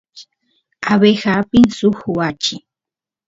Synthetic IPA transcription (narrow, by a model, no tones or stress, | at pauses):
aβexapɪnsʊxwat͡ʃɪ